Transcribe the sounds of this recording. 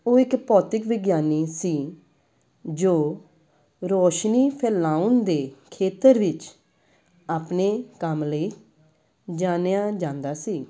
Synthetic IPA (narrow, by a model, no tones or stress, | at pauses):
oːɪkpɔːt̪ɪkʋɪɡjaːniːsiː | d͡ʒoː | ɾoːʃniːpʰɛːlaːʊnd̪eːkʰeːt̪əɾʋɪt͡ʃ | aːpneːkəmləiː | d͡ʒaːneaːd͡ʒãːnd̪aːsiː